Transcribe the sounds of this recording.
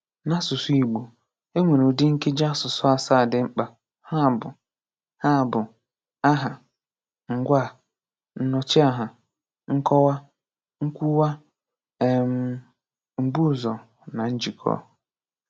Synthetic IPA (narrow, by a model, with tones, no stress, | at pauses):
nã˦sʊ˨sʊ˦i˨ɡ͡bo˨ | e˦ŋʷe˨no˨dɪ˦ŋ̩˦kʰe˦d͡ʒa˦sʊ˨sʊ˦a˨saː˦˨dɪ˨ŋ͡m̩˦k͡pa˨ | ha˦˨bʊ˨ | ha˦˨bʊ˨ | a˦ɦa˨ | ŋ̩˨ɡʷa˦˨ | n̩˦nɔ˨t͡ʃɪ˦a˦ɦa˨ | ŋ̩˦kʰɔ˦wa˦ | ŋ̩˦kʷu˦wa˦ | ɛ˨m | m̩˨bu˦˨zɔ˨ | nã˨n̩˦d͡ʒi˨kʰɔ̰ː˦